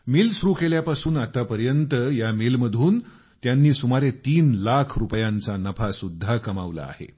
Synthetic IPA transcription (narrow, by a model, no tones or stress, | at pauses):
miːlsuɾuːkeljapasuːnat̪apəɾjənt̪əjamilməd̪ʱuːn | t̪janːiːsumaɾet̪iːnlakʰɾupjãnt͡sanəpʰasud̪ʱːakəma̰ʋla̰a̰hḛ